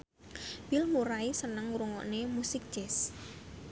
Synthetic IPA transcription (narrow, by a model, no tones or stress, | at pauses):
wilmuɾaisənəŋuɾuŋɔ̰ʔnemusɪk̚t͡ʃɛs